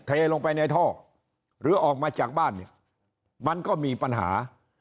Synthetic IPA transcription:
t̪ʰa˧eː˧lo˧ŋpa˧jna˧jt̪ʰɔː˥˩ | ɾɯː˨˦ʔɔː˨˩k̚maː˧t͡ɕaː˨˩k̚baː˥˩nːi˥˩ɐ | ma˧nkɔː˥˩miː˧pa˧nɦa̰ː˩˦

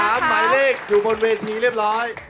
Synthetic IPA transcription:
aː˦˥mːaː˨˩jleː˥˩k̚juː˨˩bo˧nweː˧t̪ʰiː˧ɾi˥˩əp̚ɾɔː˦˥j

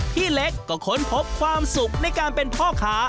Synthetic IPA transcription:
t̪ʰiː˥˩le˦˥kːɔː˥˩kʰo˦˥npʰo˦˥p̚kʰwaː˧msu˨˩k̚na˧jkaː˧npe˧npʰɔː˥˩kʰaː˦˥

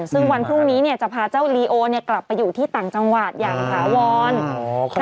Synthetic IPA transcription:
sɯ˥˩ŋwa˧npʰɾu˥˩ŋniː˦˥ni˥˩ɐt͡ɕa˨˩pʰaː˧t͡ɕa˥˩wliː˧ʔoː˧ni˥˩ɐkla˨˩pːa˧jːuː˨˩t̪ʰiː˥˩t̪aː˨˩ŋt͡ɕa˧ŋwa˨˩t̪̚ja̰ː˨˩ŋsaː˨˩˦wɔː˧n

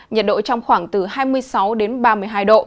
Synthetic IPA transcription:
ɲə˨˩t̚ɗo̰˧˨t͡ɕɔ˧wŋ͡mxwaː˧˩ŋt̪ɨ˨˩haː˧jmɨ˧əjsa˨˦wɗe˨˦nɓaː˧mɨ˧əjɦaː˧jɗo̰˧˨

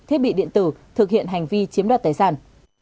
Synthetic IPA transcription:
t̪ʰi˦˥t̚ɓḭ˧˨ɗḭ˧˨ənt̪ɨ˧˩t̪ʰɨ˨˩k̚hḭ˧˨ənɦa˨˩jŋ̟vi˧t͡ɕi˨˦əmɗa˨˩t̪aː˧˩jsaː˧˩n

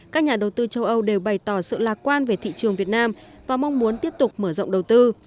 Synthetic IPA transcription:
kaː˦˥k̚ɲaː˨˩ɗə˨˩wt̪ɨ˧t͡ɕə˧wʔə˧wɗe˨˩wɓa˨˩jt̪ɔ˧˩sɨ̰˧˨laː˨˩k̚kwaː˧nve˨˩t̪ʰḭ˧˨t͡ɕɨ˨˩əŋvi˨˩ət̚naː˧m | vaː˨˩ma˧wŋ͡mmu˨˦ənt̪i˦˥əp̚t̪ʊ˨˩k͡p̚məː˧˩zo̰˧˨ŋ͡mɗə˨˩wt̪ɨ˧

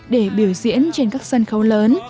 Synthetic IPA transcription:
ɗe˧˩ɓi˧˩əwzḭ˧˥ənt͡ɕe˧nkaː˦˥k̚sə˧nxə˨˦wləː˨˦n

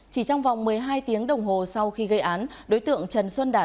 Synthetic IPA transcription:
t͡ɕi˧˩t͡ɕɔ˧wŋ͡mva˨˩wŋ͡mmɨ˨˩əjɦaː˧jt̪i˨˦əŋɗə˨˩wŋ͡mɦo˨˩sa˧wxi˧ɣə˧jʔaː˨˦nɗo˨˦jt̪ɨ̰˧˨əŋt͡ɕə˨˩nswə˧nɗa̰ː˧˩

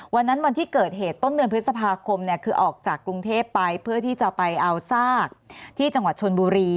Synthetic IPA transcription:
wa˧nːa˦˥nwa˧nt̪ʰiː˥˩kɤː˨˩t̪̚ɦeː˨˩t̪ːo˥˩nːdɯ˧pʰɯ˦˥sa˧pʰaː˧kʰo˧mni˥˩ɐkʰɯː˧ʔɔː˨˩k̚t͡ɕaː˨˩kːɾu˧ŋt̪ʰeː˥˩pːa˧jpʰɯ˥˩ɐt̪ʰiː˥˩t͡ɕa˨˩pa˧jʔa˧wsaː˥˩k̚t̪ʰiː˥˩t͡ɕa˧ŋwa˨˩t̪̚t͡ɕʰo˧nbuː˧ɾiː˧

